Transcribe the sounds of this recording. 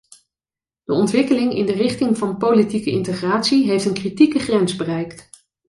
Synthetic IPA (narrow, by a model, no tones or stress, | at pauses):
d̥əɔntʋɪkəlɪŋɪ̰ndərɪχtɪŋvɑnpowlitikəɪntəχraːtsiɦejftənkritikəχrɛnzbərɛjkt